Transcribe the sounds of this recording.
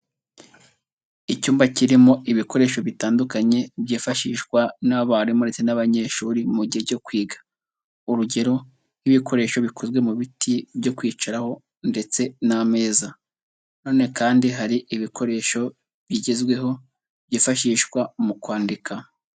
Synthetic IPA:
icuːmbaciɾimo̞ʔiβiko̞ɾe̞ːʃo̞βitaːndukaɲe̞bjiːfaʃiːʃkwanaβaɾimoɾe̞t͡senaβaɲe̞ʃuːɾimuɟiheɟo̞kwiːɡḁ | uɾuɟe̞ɾo̞ | hiβikʰo̞ɾe̞ːʃo̞βikʰozwe̞muβitʰibɟo̞kwiːt͡ʃaɾaho̞ | nde̞t͡se̞name̞ːza | no̞ːne̞kaːndiɦaɾiʔiβikʰo̞ɾe̞ːʃo̞ | bjiːɟe̞zɡwe̞ɦo̞ | bjiːfaʃiːʃkwamukwaːndikʰa

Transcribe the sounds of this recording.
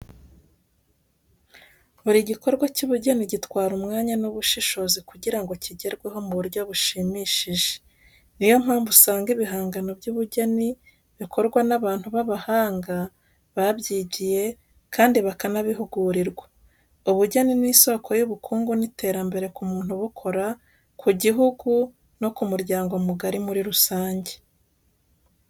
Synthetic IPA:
βuɾiɟiko̞ɾɡwacuβuɟaniɟitwaːɾumŋaːɲanuβuʃiʃo̞zikuɟiɾaŋɡo̞ciɟe̞ɾɡwe̞ɦo̞muβuɾɟoβuʃimiʃiʒe̥ | nijo̞m̥haːɱvusaːŋɡiβiɦaːŋɡano̞bjuβuɟani | βikʰo̞ɾɡwanaβaːn̥huβaβahaːŋɡa | βaβɟiːɟije̞ | kʰaːndiβakanaβiɦuɡuɾiɾɡwa | uβuɟaniniːso̞kʰo̞juβukʰuːŋɡunite̞ːɾambe̞ɾe̞kumuːn̥huβukʰo̞ɾa | kʰuɟiɦuɡu | no̞kumuɾjɟaːŋɡo̞muɡaɾimuɾiɾusaːɲɟe̞̥

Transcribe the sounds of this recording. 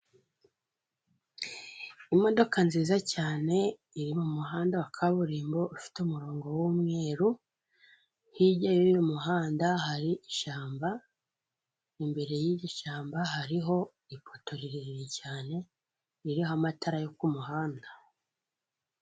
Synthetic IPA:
imo̞do̞kanziːzacaːne̞ | iɾimumuɦaːndawakʰaβuɾiːmbo̞ʔufi̥tumuɾoːŋɡo̞wumŋe̞ːɾu | hiɟajujomuɦaːndahaɾiʔiʃaːmba | imbe̞ɾe̞jiːjoʃaːmbaɦaɾiɦo̞ | ipʰoto̞ɾiɾiɾiɾicaːne̞ | iɾihoamatʰaɾajokumuɦaːnda

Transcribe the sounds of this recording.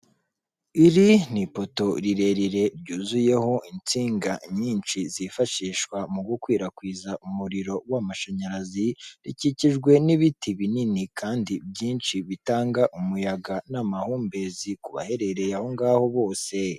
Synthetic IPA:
iɾinipo̞to̞ɾiɾe̞ɾiɾe̞ɾɟuːzuje̞ho̞ʔint͡siːŋɡaɲiːnt͡ʃizifaʃiːʃkwamuɡukwiːɾakwiːzaʔumuɾiɾo̞wamaʃaɲaɾaziɾiciciʒɡwe̞niβitʰiβininikʰaːndibɟiːnʃiβitaːŋɡaʔumujaɡanamahuːmbe̞zikuβa̰he̞ɾe̞ɾe̞jaho̞ŋɡaːho̞βo̞ːse̞

